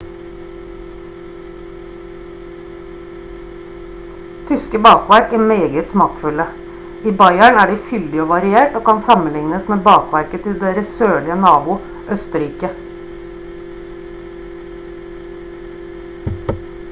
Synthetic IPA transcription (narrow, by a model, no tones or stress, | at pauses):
t̪ʰʏskəbɑːkʋæɾkæːmeːɡət̪smɑːkfʉlə | iːbɑɪæɳæːɖiːfʏld̪ɪoːʋɑɾɪeːʈoːkɑnsɑmən̩lɪŋnəsmeːbɑːkʋæɾkət̪ʰɪld̪eːɾəsøːɭɪənɑːbʊ | ʔœst̪əɾiːkə